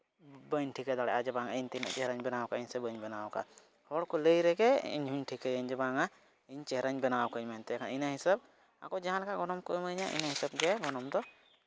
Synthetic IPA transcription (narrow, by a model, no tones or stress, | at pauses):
bəɲʈʰikɛd̪aɽɛʔad͡ʒɛbaŋaiɲt̪ina̰ʔt͡ʃɛɦɾaɲbɛnawkaəɲsɛbəɲbɛnawka̰ | hɔɽkɔləjɾɛɡɛḭɲɦuɲʈʰikəjəɲd͡ʒɛbaŋa | iɲt͡ʃɛɦɾaɲbɛnawkəɲmant̪ɛɛkʰaninaɦisab̚ | a̰kɔd͡ʒaɦãlɛkaʔɡɔnɔmkɔməɲaʔḭnaɦisab̚d͡ʒɛɡɔnɔmd̪ɔ